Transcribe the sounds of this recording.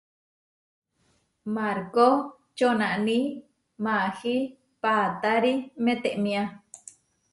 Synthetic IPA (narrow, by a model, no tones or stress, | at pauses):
maɾko | t͡ʃonaʔni | mahi | pat̪aɾimẽt̪eʔmĩa